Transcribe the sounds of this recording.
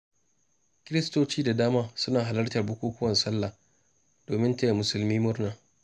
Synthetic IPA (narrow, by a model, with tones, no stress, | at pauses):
kʲɪ˦ɾɪ˦stoː˦t͡ʃiː˦da˨daː˦maː˦sʊ˦naː˨ɦa˨lɐ˦rtɐ˨rbʊ˦kʷuː˦kʷʊ˦wɐ˨nsɐ˦lːa˨ | d̥oː˨mɪ˦nteː˦jmʊ˨sʊ˨lmiː˦mʊ˦rnaː˨